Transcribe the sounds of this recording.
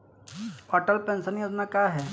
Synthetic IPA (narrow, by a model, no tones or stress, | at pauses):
ɔʈəlpẽnsənjoːd͡ʒnakjaɦɛː